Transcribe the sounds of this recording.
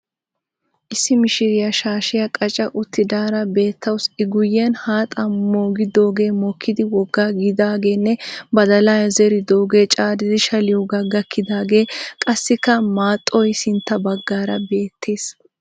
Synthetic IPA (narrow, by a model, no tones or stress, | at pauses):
ʔɪsːɪmɪʃɪɾɪjɐʃaːʃɪjɐkʼɐt͡ʃʼːɐʔʊt̪ːɪd̪aːɾɐbe̞ːt̪ːɐwsɪɡʊjːɛnhaːt̪ʼɐmoːɡɪd̪oːɡe̞ːmɔkʰːɪd̪ɪwɔɡːaːɡɪd̪aːɡe̞ːnːɛbɐd̪ɐlaːjɐzɛɾɪd̪oːɡeːt͡ʃʼaːd̪ɪd̪ɪʃɐlɪjɔɡɐɡɐkʰːɪd̪aːɡe̞ːkʼɐsːɪkːɐmaːt̪ʼːɔjsɪnt̪ːɐbɐɡːaːɾɐbe̞ːt̪ʰːeːs